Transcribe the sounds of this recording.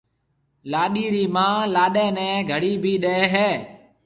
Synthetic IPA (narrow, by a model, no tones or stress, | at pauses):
laːɗiːɾiːmãːlaːɗɛ̃ːnɛ̃ːɡʱəɽiːbʱiːɗeːɦɛː